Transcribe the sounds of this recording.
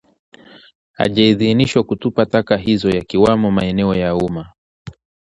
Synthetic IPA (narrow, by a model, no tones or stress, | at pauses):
ha̰ʄaiðiniʃwakutupatakaɦizɔjakiwamɔmaɛnɛɔjauma